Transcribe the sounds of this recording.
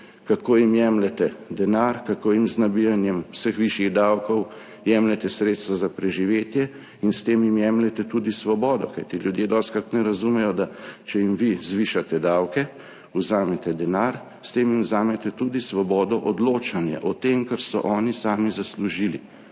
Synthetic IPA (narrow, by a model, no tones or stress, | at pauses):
kakoːjimjɛmlɛt̪ɛd̪ɛnaɾkakoːjimznabijanjɛmwsəxʋiʃjiɣd̪aːwkɔw | jɛːmlɛt̪ɛsɾeːt̪st̪ʋɔzapɾɛʒiʋeːt̪jɛ | inst̪eːmjimjɛːmlɛt̪ɛt̪uːd̪isʋɔbɔːd̪ɔkajt̪iljud̪jeːd̪ɔːskat̪nɛɾazumɛjɔd̪at͡ʃɛjimʋizʋiʃat̪ɛd̪awkɛ | uzaːmɛt̪ɛd̪ɛnaɾ | st̪eːmjimwzaːmɛt̪ɛt̪ud̪isʋɔbɔːd̪ɔʔɔd̪loːt͡ʃanjɛ̰ʔɔt̪eːmkɛɾsɔ̰ʔɔːnisaːmizasluʒili